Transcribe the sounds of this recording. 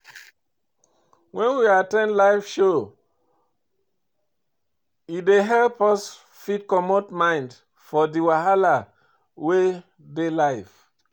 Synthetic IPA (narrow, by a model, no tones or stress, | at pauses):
wɛ̃nwiatɛ̃ndlaɪfʃo | ideɦɛlpɔs | fit̚kɔmotmãɪ̃nd | fɔdiwaɦala | we | delaɪf